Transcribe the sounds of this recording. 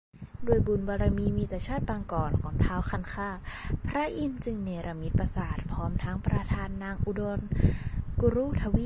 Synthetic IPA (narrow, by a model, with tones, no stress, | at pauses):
du˧˩əjbu˨˩nbɔː˧ɾa˧miː˧miː˧˩t̪a˧t͡ɕʰaː˥˩t̪̚baː˧ŋkɔː˨˩nkʰɔː˨˩˦ŋt̪ʰaː˧˥wkʰa˧˩nkʰaː˧˥˩pʰɾa˦˥ʔi˧nt͡ɕɯ˧ŋneː˧ɾa˧mi˧˦˥t̪̚pa˧saː˨˩t̪̚pʰɔː˦˥mt̪ʰaː˦˥ŋpɾa˧t̪ʰaː˧nːaː˧ŋʔu˧do˧nku˧ɾuː˧˥˩t̪ʰa˧wi˦˧˥